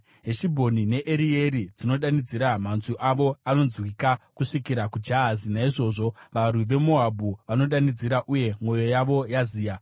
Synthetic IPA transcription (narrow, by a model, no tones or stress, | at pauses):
ɦeʃibʱo̞nine̞ʔeɾie̞ɾid͡zino̞ɗanid͡ziɾamanzuʔaʋo̞ano̞nzwikakuʂikiɾakud͡ʒaazinaiʐo̞ːʐo̞ʋarwiʋe̞mo̞abʱuʋano̞ɗanid͡ziɾaʔuje̞mo̞jo̞jaʋo̞jaziːja